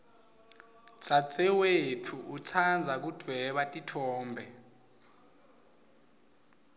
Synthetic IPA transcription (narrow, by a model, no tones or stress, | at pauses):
t͡sʼat͡sʼɛwetʰuʔut͡sʰand͡zʱak̬ud̥ʱwɛɓatʼitʰɔːmbʱɛ